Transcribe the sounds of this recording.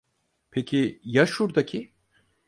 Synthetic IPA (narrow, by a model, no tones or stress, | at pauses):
pʰecʰijaʃuɾd̪acʰi